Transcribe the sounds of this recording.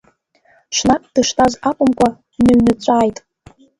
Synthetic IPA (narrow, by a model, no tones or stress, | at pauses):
ʂnakʼd̥ɨʂtʰʼazakʷʼʊmkʷʼa | nɨɥnɨt͡ɕʷʼaːjtʼ